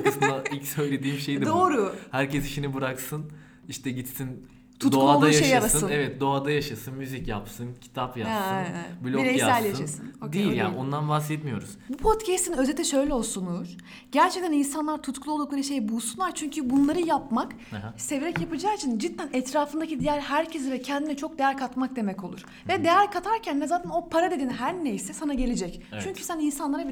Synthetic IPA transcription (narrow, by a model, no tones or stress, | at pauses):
ksɯd̪ailʲcsø̞jlʲed̪iːmʃejd̪d̪oːɾuhæɾcʰɛsiʃinibɯɾaksɯn | iʃt̪ʰɛɟit̪sin | t̪ʰutd̪oaod̪ajaeʃjalasɯnɯnɛvɛt̪̚d̪o̞ad̪ajaʃasɯnmyzicjapsɯncʰi̥t̪ʰapjaasɯnblʲoenejsaælʲjaʃasɯnod̪ejilʲja̰ːnio̞nd̪anbaxsɛt̪mijo̞ɾuz̥bupʰot̪cʰɛst̪inøzɛt̪ʰːɛʃø̞jlʲɛolˠsunuɾ | ɟæɾt͡ʃʰɛc̚t̪ʰæninsanlˠaɾt̪ʰut̪kʰulˠolˠd̪uklˠaɾɯʃe̞jbulˠsunlˠaɾt͡ʃʰyɲcʰybunlˠaɾɯjapmak | seveɾɛcjapɯd͡ʒaːit͡ʃʰind͡ʒit̪ʰːænɛt̪ɾaːfɯnd̪acid̪ijæɾɦæɾcʰezivɛcʰɛnd̪inɛt͡ʃʰo̞k̚d̪e̞jæɾkʰat̪mak̚d̪e̞mɛco̞lˠṵɾ̥ | vɛd̪e̞jæɾkʰat̪ʰaɾcʰænvɛzaːt̪ʰæno̞pʰaɾad̪e̞d̪iːnɦæɾne̞jsɛsanaɟelʲed͡ʒɛct͡ʃʰyɲcʰy̥sæninsanlˠaɾabi